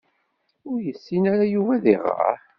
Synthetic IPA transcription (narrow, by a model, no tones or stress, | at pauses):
ʊɾjəsːinaɾajuvæðiʁə̰ħ